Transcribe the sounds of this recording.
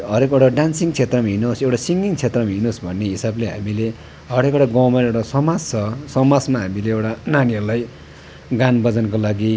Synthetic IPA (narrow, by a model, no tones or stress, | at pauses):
ɦʌɾekeʈaɖansiŋt͡sʰet̪rʌmaɦinosewʈasiŋɡiŋt͡sʰet̪rʌmaɦinosbʱʌnːeɦisableɦa̰mile | ɦʌɾekʌʈaɡʌwmaewʈasʌmad͡zt͡sʰʌsʌmad͡zmaɦamileewʈananiʌlaj | ɡanbʌd͡zʌnkolaɡi